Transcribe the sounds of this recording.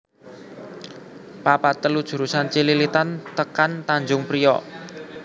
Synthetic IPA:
papat̪əlud̥ʒ̥ṳɾusant͡ʃililit̪ant̪əkant̪aɲd͡ʒʊŋpɾijɔ̰

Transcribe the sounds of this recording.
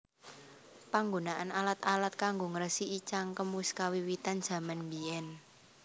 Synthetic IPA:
paŋɡonaʔanalat̪alat̪̚kaŋɡoŋəɾəsiit͡ʃaŋkəmuskawiwit̪and̥ʒ̥a̤manmbiɛn

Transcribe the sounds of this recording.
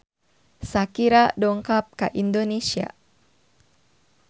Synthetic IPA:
sakiɾadɔŋkap̚ka̰ʔindonesia̰

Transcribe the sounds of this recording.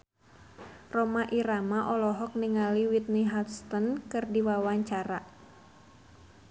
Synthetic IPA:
rɔmaʔiɾamaʔɔlɔɦɔk̚niŋaliwit̪̚niɦat̪st̪ənkɨrdiwawaɲt͡ʃaɾa

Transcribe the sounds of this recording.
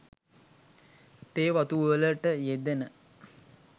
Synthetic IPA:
t̪eːʋat̪uʋələʈəjed̪enə

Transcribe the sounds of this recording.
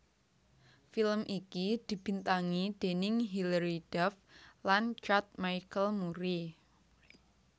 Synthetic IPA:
filəmʔikid̪̥i̤b̥i̤nt̪aŋid̪̥e̤nɪŋɦiləɾid̥ɛflant͡ʃat̪̚majkəlmuɾi

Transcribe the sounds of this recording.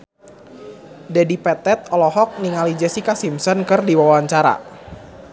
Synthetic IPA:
dadipɛt̪ɛt̪̚ɔlɔɦɔk̚niŋalid͡ʒɛsikasimsɔnkɨrdiwawaɲt͡ʃaɾa̰

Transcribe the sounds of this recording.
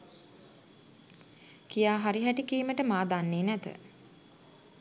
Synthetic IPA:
kijaːɦaɾiɦæʈikiːməʈəmaːd̪anːeːnæt̪ə̰

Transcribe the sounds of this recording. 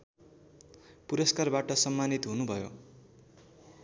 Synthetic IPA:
puɾʌskarbaʈʌsʌmːanit̪ɦunubʱʌjo̰

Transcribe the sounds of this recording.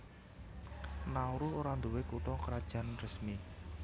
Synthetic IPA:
nauɾuɦoɾand̪uwekuʈɔkəɾad̥ʒ̥a̤nrəsmi

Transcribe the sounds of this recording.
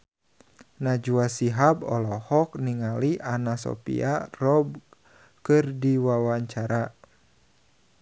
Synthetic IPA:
nad͡ʒuasiɦabɔ̰lɔhɔk̚niŋaliʔanasɔ̰pḭarɔb̚ | kɨrdiwawaɲt͡ʃaɾa

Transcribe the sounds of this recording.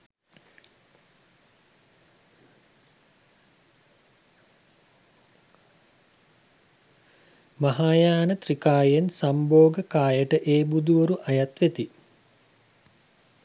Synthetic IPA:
mɐɦaːjaːnət̪rikaːjensamboːɡəkaːjəʈəʔeːbud̪uʋəɾuʔajat̪ʋet̪i

